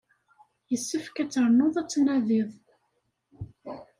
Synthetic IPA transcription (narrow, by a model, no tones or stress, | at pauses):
jəsːəfkæt͡sːəɾˤnoðˤæt͡sːnæðiðˤ